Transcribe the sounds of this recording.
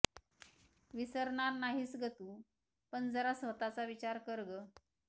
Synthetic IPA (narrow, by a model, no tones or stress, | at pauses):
ʋisəɾɳaɾnaɦiːsɡət̪uː | pəɳd͡zəɾasʋət̪at͡saʋit͡ɕaɾkəɾɡə